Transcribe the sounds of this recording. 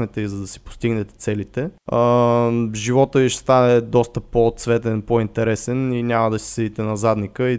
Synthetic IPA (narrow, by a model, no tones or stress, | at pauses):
nɛt̪ɛizɐd̪ɐsi̥po̥st̪iɡnɛt̪ɛ̥t̪sɛlit̪ɛə | ʒivɔt̪əviʃst̪anɛd̪ɔst̪əpot̪svɛt̪ɛnpoint̪ɛɾɛsɛninʲamɐd̪ɐsi̥sɛd̪it̪ɛnɐzad̪nikəi